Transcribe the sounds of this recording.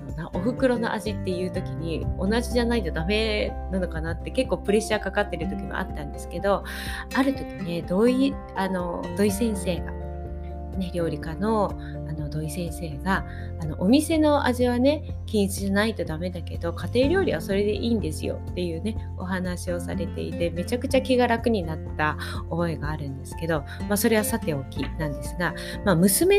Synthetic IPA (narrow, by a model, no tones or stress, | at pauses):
onaʔoɸɯ̟kɯ̟ɾo̞no̞ʔaʑit̪ːe̞jɯ̟ːt̪o̞kʲiɲ̟ionaʑiʑanait̪o̞d̪ame̞nano̞kanat̪ːe̞ke̞kːoːpɯ̟ɾe̞ɕaːkakat̪ːe̞ɾɯ̟t̪o̞kʲimo̰ʔa̰t̪ːãnd̪e̞sɨ̥ke̞d̪o̞ | aɾɯ̟t̪o̞kʲine̞d̪o̞i | ano̞d̪o̞isẽ̞ɰ̃se̞ːɡa̰ | ne̞ɾʲjo̞ːɾʲikano̞ | ano̞d̪o̞isẽ̞ɰ̃se̞ːɡaː | no̞̰ʔomʲise̞no̞a̰ʑiβane̞ | kʲĩɰt͡sɨʑanait̪o̞d̪ame̞d̪ake̞d̪o̞kat̪e̞ːɾʲo̞ːɾʲiβaso̞ɾe̞d̪e̞ʔiːnd̪e̞sɨ̰jo̰t̪ːe̞jɯ̟ːne̞ | o̞̰ɦanaɕio̞sa̰ɾe̞t̪e̞̰ḭt̪e̞me̞t͡ɕakɯ̟t͡ɕakʲiɡaɾakɯ̟ɲ̟inat̪ːa | oboeɡaːɾɯ̟̃nd̪e̞sɨ̥ke̞d̪o̞ | maso̞ɾe̞β̞asat̪e̞o̞kʲinãnd̪e̞sɨɡa | mamɯ̟sɨme